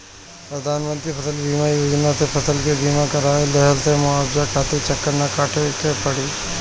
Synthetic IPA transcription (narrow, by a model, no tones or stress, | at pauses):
pɾɐd̪ʱaːnmə̃nt̪ɾipʰɐsəlbiːmajoːd͡ʒnasepʰɐsəlkebiːmakɐɾaːelɛɦəlsemʊaːbzakʰaːt̪ʰet͡ʃɐkːəɾnakaːʈʰekepɐɽiː